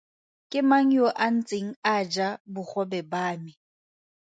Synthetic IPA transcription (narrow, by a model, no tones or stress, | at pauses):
kʼɪmaŋ̩joʔan̩t͡sʼeŋ̩ad͡ʒabʊχɔbɛbaːmɪ